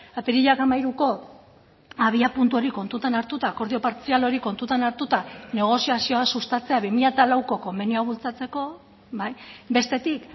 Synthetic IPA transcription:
ap̪iɾiʎakamajɾuko̞ | aβ̞iapunt̪uo̞ɾiko̞nt̪ut̪anaɾt̪ut̪ako̞ɾð̞io̞paɾt͡sialo̞ɾiko̞nt̪ut̪anaɾt̪ut̪ane̞ɣ̞o̞siasio̞asust̪at͡se̞aβimiʎat̪alawko̞ko̞mbenioaβ̞ult͡sat͡se̞ko̞ | bajbe̞st̪e̞t̪ik

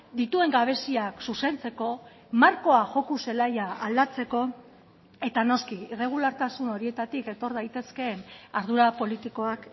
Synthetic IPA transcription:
d̪it̪ue̞ŋɡaβ̞e̞siaksuse̞nt͡se̞ko̞ | maɾko̞aʝo̞kuse̞lajaald̪at͡se̞ko̞ | e̞t̪ano̞skiere̞ɣ̞ulaɾt̪asuno̞ɾie̞t̪at̪ike̞t̪o̞ɾðajt̪e̞ske̞ːnaɾð̞uɾapo̞lit̪iko̞ak

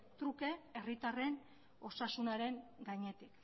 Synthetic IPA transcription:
t̪ɾuke̞erit̪are̞n | o̞sasunaɾe̞ŋɡaɲe̞t̪ik

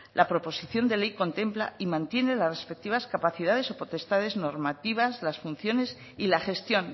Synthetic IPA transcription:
lʔapɾo̞po̞siθjo̞nd̪elejko̞nt̪e̞mpla̰imãnt̪je̞ne̞lazrespe̞k̚t̪iβaskapaθið̞að̞e̞so̞po̞t̪e̞st̪aðe̞zno̞ɾmat̪iβ̞azlasfun̟θjo̞ne̞s | ilaxe̞st̪jo̞n

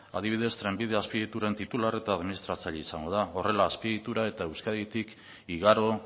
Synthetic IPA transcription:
a̰ð̞iβ̞ið̞e̞st̪ɾe̞mbið̞e̞aspiit̪uɾe̞nt̪it̪ulare̞t̪aːðminist̪ɾat͡saʎaisaŋɡo̞ðao̞re̞laːspiɣit̪uɾae̞t̪aewskaðit̪ik | iɣaɾo̞

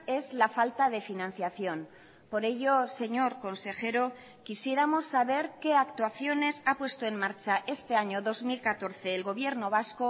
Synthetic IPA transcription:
e̞zlafalt̪að̞e̞finãn̟θjaθjo̞n | po̞ɾe̞ʝo̞se̞ɲo̞ɾko̞nse̞xe̞ɾo̞ | kisje̞ɾamo̞sːaβe̞ɾke̞akt̪waθjo̞ne̞sapwe̞st̪o̞e̞mmaɾt͡ʃaʔe̞st̪e̞aɲo̞ðo̞zmilkat̪o̞ɾθe̞ːlɣo̞β̞je̞ɾno̞β̞asko̞

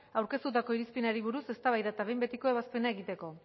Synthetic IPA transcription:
awɾke̞st̪ut̪ako̞iɾispinaɾiβuɾuse̞st̪aβajðaet̪aβe̞jmbet̪iko̞e̞β̞aspe̞nae̞ɣit̪e̞ko̞

